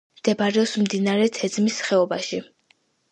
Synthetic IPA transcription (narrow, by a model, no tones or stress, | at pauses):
md̪̥ɛbaɾɛɔsmd̪inaɾɛt̪ʰɛd̪zmisχɛɔbaʃi